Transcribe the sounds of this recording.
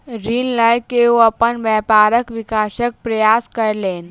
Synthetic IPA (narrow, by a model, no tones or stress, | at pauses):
ɾinləjkeuəpənʋjɛpaɾəkʋikaɕək̚pɾəjaskəɾlen